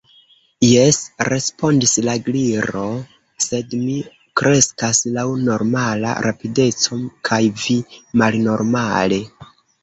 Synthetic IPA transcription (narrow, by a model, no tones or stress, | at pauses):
jesɾe̞spo̞ndislaɡliɾo̞ | se̞dmi | kɾe̞skaslawno̞ɾmala̰ɾʔapide̞t͡so̞mkʰajvimalno̞ɾmale̞